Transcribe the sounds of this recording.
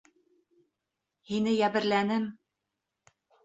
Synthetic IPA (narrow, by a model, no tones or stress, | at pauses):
hinɘjæbɘ̆ɾlænɘm